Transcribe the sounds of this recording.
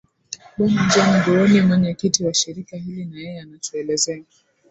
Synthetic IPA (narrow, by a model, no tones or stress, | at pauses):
ɓɔmad͡ʒaniɡɔɾɔnimwɔɲɛkitiwaʃiɾikahilinajɛjɛanatuɛlɛzɛa